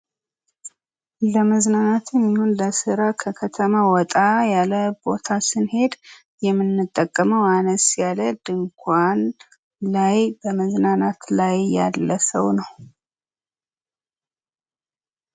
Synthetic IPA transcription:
ləməznanat̪jɛmːihonləsɨɾakʰəkʰət̪ʰəmawɔt̪ʼajaləbo̞t̪ʰasɨnhe̞d̪ | jɛmːɨnːɨt̪ʼːəkʼːəməwanəsjaləd̪ɨŋkʷʰan | lajbəməznanat̪lajːa̰lːəsəwnəw

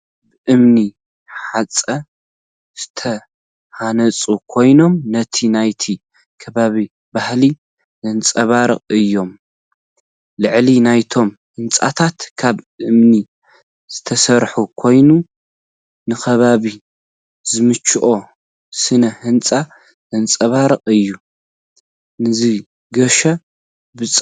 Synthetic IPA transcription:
bɨʔɨmni | ħat͡sʼɐ | z̥ɨt̪ʰɐ | hanɐt͡sʼukʰo̞jno̞mnɐt̪ʰinajt̪ʰi | kʰɐβaβi | bahli | zɨnt͡sʼɐβaɾɨχʼɨjːo̞m | lɨʕlinajt̪ʰo̞m | hɨnt͡sʼa̰t̪ʰat̪kʰaβʔɨmni | z̥ɨt̪ʰɐsɐɾħukʰo̞jnu | nɨxɐβaβi | zɨmɨt͡ʃːɨʔo̞ | sɨnɐhɨnt͡sʼa | zɐnt͡sʼɐβaɾɨqʼɨjːu | nɨzɨ | ɡɐʃɐ | bɨt͡sʼ

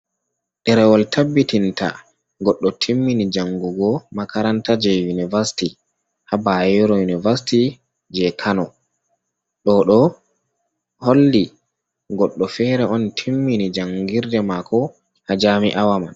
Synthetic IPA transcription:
ɗɛɾɛwɔltʰabːitinta̰ | ɡɔɗːɔtʰimːinid͡ʒaŋɡuɡɔmakaɾantad͡ʒɛjunivasi̥ti | habajɔɾɔjunivasti | d͡ʒɛkʰanɔ | ɗɔɗɔ | holːi | ɡɔɗːɔfɛɾɛɔntʰimːinid͡ʒaŋɡiɾdɛmakʰɔ | had͡ʒamiʔawama̰n

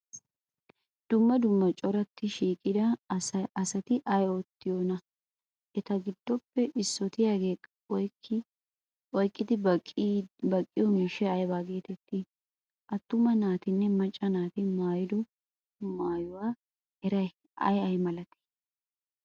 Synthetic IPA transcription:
d̪̥ʊmːɐd̪ʊmːɐt͡ʃʼɔɾɐt̪ʰːɪʃiːkʼɪd̪ɐɐsɐt̪ɪʔɐjɔt̪ːɪjonɐ | ʔɛt̪ɐɡɪd̪ːɔpːɛʔɪsːɔt̪ɪjaːɡe̞ːkʼːɐɔjkːɪ | ʔɔjkʼːɪd̪ɪ | bɐkʼːɪjɔmeʃɛɐjbaːɡe̞ːt̪ɛt̪ːɪ | ʔɐt̪ːʊmɐnaːt̪ɪnːɛmɐt͡ʃʼːɐnaːt̪ɪmaːjɪd̪ɔ | maːjʊwaː | ɛɾɐj | ɐ̰jɐjmɐlɐt̪ɛ̥

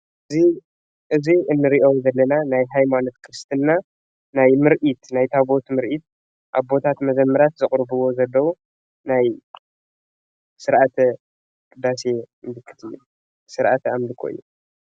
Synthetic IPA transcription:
ʔɨzi | ʔɨziɨnːɨɾiʔowzɐlːɐnanajɦajmano̞t̪kʰɨɾɨst̪ʰɨnːa | najmɨɾʔit̪najt̪ʰaβo̞t̪mɨɾʔit̪̚ | ʔaβbo̞t̪ʰat̪mɐzɐmːɐɾat̪zɨχʼɾbɨwo̞zɐlːɐwu | naj | sɨɾʔat̪ʰɐ | kʼɨd̪ase̞ | md̪ɨkʰːɨ̥t̪ʰɨjːu | sɨɾʔat̪ʰamd̪ɨkʰo̰jːṵ

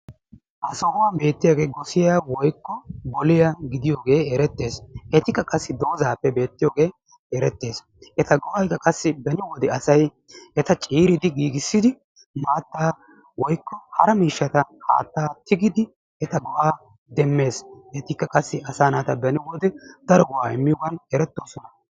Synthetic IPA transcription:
ʔɐsɔhʊwaːbe̞ːt̪ːɪjaːɡe̞ːɡɔsɪjaːwɔjkːɔbɔlɪjaɡɪd̪ɪjoːɡe̞ːɛɾɛt̪ːe̞ːshɛt̪ɪkːɐkʼɐsːɪd̪o̞ːzaːpːɛbe̞ːt̪ːɪjoːɡe̞ː | ɛɾɛt̪ːe̞ːs | ʔɛt̪ɐɡɔhɐjkːɐkʼɐsːɪbɛnɪwɔd̪ɛɐsɐj | ʔɛt̪ɐt͡ʃʼiːɾɪd̪ɪɡiːɡɪsːɪd̪ɪ | maːt̪ːaː | wɔjkːɔhɐ̰ɾɐmiːʃːɐt̪ɐha̰ːt̪ːaːt̪ɪɡɪd̪ɪ | ɛt̪ɐɡɔhaː | d̪ɛmːe̞ːshɛt̪ɪkːɐkʼɐsːɪʔɐsaːnat̪ɐbɛnɪwɔd̪ɛd̪̥ɐɾɔwaːɪ̰mːɪjɔɡɐnɛɾɛt̪ːo̞ːsɔnɐ

